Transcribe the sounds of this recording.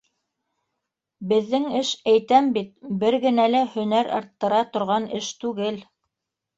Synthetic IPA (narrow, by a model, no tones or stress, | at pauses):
bɘ̆ðːɘŋɘʃæjt̪æmbit̪̚bɘɾɡɘ̆nælæhɵ̆næɾɑ̰ɾt̪ːɤ̆ɾɑt̪ŏɾʁɑnɘʃt̪ʉɡɘl